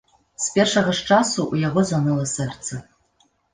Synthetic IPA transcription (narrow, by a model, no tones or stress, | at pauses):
spʲerʂɐʁɐʂʈ͡ʂasuʔjaʁozanɨlˠɐsɨrt͡sʰɐ